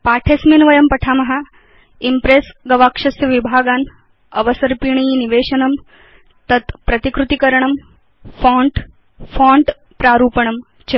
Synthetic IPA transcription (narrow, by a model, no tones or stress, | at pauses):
paːʈʰeːsminʋɐjɐmpɐʈʰaːmɐɦa | impɾesɡɐʋaːkʂɐsjɐʋibʱaːɡaːn | ɐʋɐsɐɾpiːɳiːniʋeːɕɐnɐm | t̪ɐt̪pɾɐt̪ikɾut̪ikɐɾɳɐm | fãːɳʈ | fãːɳʈ | pɾaːɾuːpɐɳɐm | t͡ɕe